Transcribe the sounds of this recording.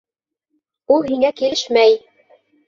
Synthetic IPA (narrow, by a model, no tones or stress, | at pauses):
ulˠhiŋækilɘʃmæj